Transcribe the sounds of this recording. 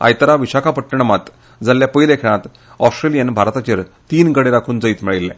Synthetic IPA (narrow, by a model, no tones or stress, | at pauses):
a̰jt̪əɾaʋiɕakʰapəʈːəɳ̃əmat̪ | d͡zaljapəilekʰɛɽ̃ãt̪ | ɔsʈɾelijənbʱaɾt̪at͡ɕəɾ | t̪iːnɡəɽeɾakʰuːnd͡zəiːt̪miɭilːɛ̃